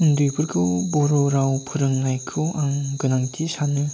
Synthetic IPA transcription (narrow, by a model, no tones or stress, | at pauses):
ɯndɯjbɯɾɡɯbɔɾoɾawpʰɯɾɯŋnajkʰɯaŋɡɯnaŋtʰisanɯ